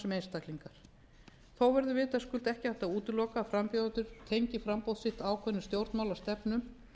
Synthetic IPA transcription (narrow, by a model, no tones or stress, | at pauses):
sɛmejnst̪akliŋkaɾ̥ | θawvɛɾðʏvɪːt̪askʏlt̪ɛhcɪaft̪auːt̪ʏlɔːkaːfɾampjawt̪ʏɾ̥t̪ʰejɲcɪfɾampowðsɪht̪aːwkʰvœnʏst̪jowɾt̪nmawlast̪ɛpnʏm